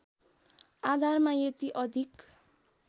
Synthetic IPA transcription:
ad̪ʱarmajet̪iʔʌd̪ʱik

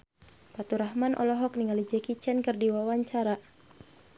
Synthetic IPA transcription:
pat̪uɾaɦmanʔɔ̰lɔɦɔk̚niŋalid͡ʒɛkit͡ʃɛnkɨrdiwawaɲt͡ʃaɾa

